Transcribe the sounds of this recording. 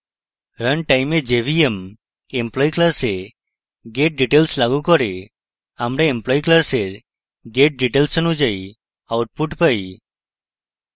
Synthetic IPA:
ɾəɳʈajmed͡ʒebiem | emplɔjiklase | ɡeʈ̚ɖiʈelslaɡukɔɾe | amɾeːmplɔjiklaseɾ | ɡeʈ̚ɖiʈelsɔnud͡ʒaj | awʈ̚puʈpaj

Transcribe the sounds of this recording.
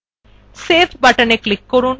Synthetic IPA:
seːfʰbɐʈəneklikːɔɾuːn

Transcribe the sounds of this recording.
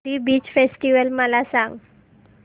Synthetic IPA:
iːbiːt͡ɕfesʈiʋəlməlasãŋɡ

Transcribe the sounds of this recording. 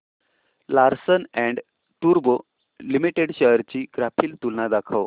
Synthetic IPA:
laɾsənɛ̃ɳɖ | ʈuɾbo | limiʈeɽɕəɦɾt͡ɕiːɡɾapʰiːlt̪ulnad̪akʰaʋ

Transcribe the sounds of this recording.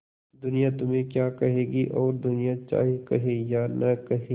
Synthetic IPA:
d̪ʊnijat̪ʊmẽkjaːkɐɦeːɡiʔɔːɾd̪ʊnijat͡ʃa̰ːɦikɐɦejaːnɐkɐɦe

